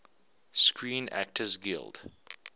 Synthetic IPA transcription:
skʰɹĩːnæ̰k̚tʰəzɡɪ̰lˠd̥

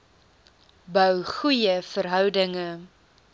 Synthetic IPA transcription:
bœwχujəfəɾɦœwdəŋə

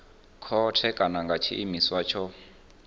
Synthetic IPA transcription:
kʰɔtʰɛkʼanaŋɡʱat͡ʃʰḭʔimiswat͡ʃʰɔ

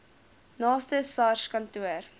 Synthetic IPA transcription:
nɑːstəsɑrʃkɐntuər

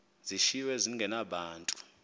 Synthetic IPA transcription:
ziʃiwɛziŋɡʱɛnaɓaːntʼu̥

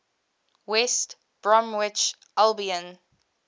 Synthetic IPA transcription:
wɛst | b̥ɹɔ̃mwɪt͡ʃ | ʔalbiə̃n

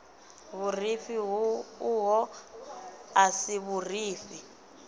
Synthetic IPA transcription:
βurifiɦuɦɔ | asiβuriːfi

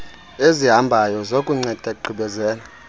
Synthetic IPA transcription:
eziɦambʱajɔzokʼuŋ͡ǀɛd̥ʱɛǃʱiɓɛzɛːla

